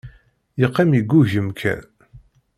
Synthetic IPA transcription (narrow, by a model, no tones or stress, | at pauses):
jəqːæmjiɡːuʝəmkʰæ̰n